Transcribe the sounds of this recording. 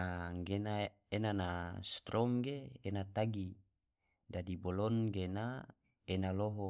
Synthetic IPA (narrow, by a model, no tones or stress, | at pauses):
aŋɡena | enanast̪ɾʔɔmɡeːnat̪aɡi | dadibolɔnɡena | enaloɦo